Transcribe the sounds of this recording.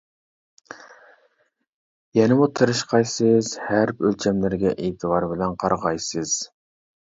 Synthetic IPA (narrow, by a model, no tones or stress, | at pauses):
jɛnɪmut̪ʰɨɾɨʃqʰɑjsɨz̥hæɾpølt͡ʃʰɛmlɪɾɡʲɛʔeːt̪ʰɨwɑɾbɪlɛnqʰɑɾʁɑjsɨz̥